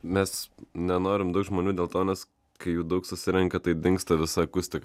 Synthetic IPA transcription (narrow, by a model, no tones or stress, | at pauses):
mʲɛsnʲɛnoːɾʲɪmd̪ɐʊkʒmoːnʲuːd̪ʲeːlˠt̪oːnʲɛs | kɐɪjuːd̪ɐʊksʊsʲɪɾʲɛŋkʲɛt̪ɐɪd̪ʲɪŋkst̪ɐʋʲɪsɑkʊsʲt̪ʲɪk